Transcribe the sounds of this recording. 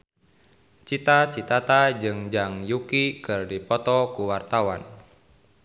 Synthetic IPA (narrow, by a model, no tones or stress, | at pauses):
t͡ʃit̪at͡ʃit̪at̪ad͡ʒɨŋd͡ʒaŋjukikɨrdipɔt̪ɔkuwart̪awan